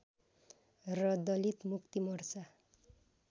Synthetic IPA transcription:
rʌd̪ʌlit̪mukt̪imʌrsa

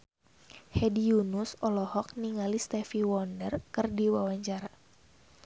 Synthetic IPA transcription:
hɛdijunʊsɔlɔhɔk̚niŋalist̪ɛfiwɔndərkɨrdiwawaɲt͡ʃaɾa

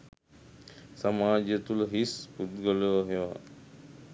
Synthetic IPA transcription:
samaːd͡ʒət̪uləɦisud̪ɡoləʋɦeʋa

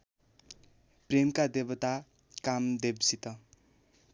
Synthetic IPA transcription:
premkad̪ebʌt̪a | kamd̪ebsit̪ʌ

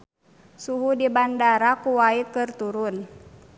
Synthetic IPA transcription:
suɦudibandaɾakuwaikɨrt̪uɾun

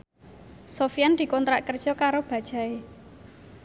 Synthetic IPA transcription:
sofijand̪̥i̤kɔnt̪ɾaʔkərd̥ʒ̥ɔkaɾob̥a̤d̥ʒ̥a̤e

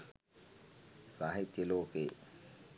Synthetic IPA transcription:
saːɦit̪jəloːke

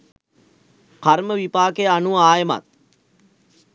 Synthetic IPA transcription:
kaɾməʋipaːkejanuaːjəma̰t̪̚

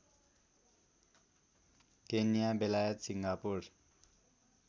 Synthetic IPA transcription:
kenijabelajʌt̪siŋɡapur

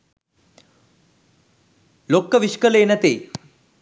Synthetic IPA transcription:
lokːəʋiʃkəleːnæt̪eː

